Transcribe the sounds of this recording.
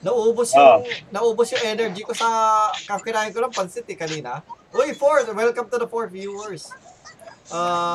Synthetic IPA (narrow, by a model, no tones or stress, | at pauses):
nɐʔuːbʊsjoŋnɐʔuːbʊsjʊŋʔɛnɛɹd͡ʒɪkosɐkɐpɪnaːjɪnkolɐŋpɐnsɪt̪ɪkɐniːnɐʔoifoɹt̪wɛlkɐmt̪ud̪ɐfɔɹt̪̚vjuɛɹs | ʔaː